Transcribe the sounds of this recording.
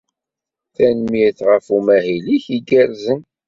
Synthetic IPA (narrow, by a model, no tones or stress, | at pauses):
θænmiθʁəfumæɦiliçiɡəɾzən